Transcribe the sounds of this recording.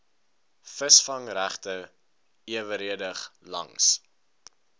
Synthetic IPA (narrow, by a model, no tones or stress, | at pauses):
fəsfɐŋɾæχtə | iəvəɾiədəχlɐ̰ŋs